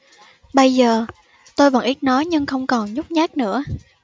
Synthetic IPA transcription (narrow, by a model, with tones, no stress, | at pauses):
ɓə˧jzəː˨˩ | t̪o˧jvə̰˧˩ŋʔi˦˥t̚nɔ˨˦jɲɨ˧ŋxə˧wŋ͡mkɔ˨˩nɲʊ˦˥k͡p̚ɲaː˦˥k̚nɨ̰˧˥ə